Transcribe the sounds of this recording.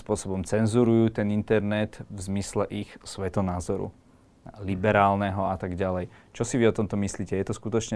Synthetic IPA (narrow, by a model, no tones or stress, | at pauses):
spʊɔsɔbɔmt͡sɛnzuɾujuːt̪ɛnint̪ɛɾnɛt̪vzmislɛʔixsʋɛt̪ɔnaːzɔɾṵ | libɛɾaːlnɛɦɔat̪aɡɟalɛjt͡ʃɔsiʋiɔt̪ɔmt̪ɔmisliːcɛjɛt̪ɔskut̪ɔt͡ʃɲɛ